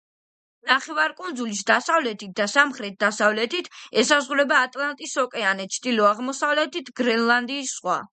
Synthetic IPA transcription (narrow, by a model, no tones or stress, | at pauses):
naχɛvaɾkʼund̪zulisd̪asavlɛt̪ʰit̪̚d̪asamχɾɛt̪̚d̪asavlɛt̪ʰit̪ʰɛsazʁuɾɛbaːt̪ʼlˠant̪ʼisɔkʼɛanɛt̪ʰt͡ʃʰd̪ilɔaʁmɔsavlɛt̪ʰit̪ʰɡɾɛnlˠand̪iːsːχwa̰